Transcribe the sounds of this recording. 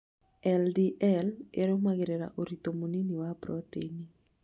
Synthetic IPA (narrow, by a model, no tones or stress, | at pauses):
ɛldiʔɛleɾomaɡeɾeɾa̰ʔoɾit̪omoniniwabɾɔt̪eni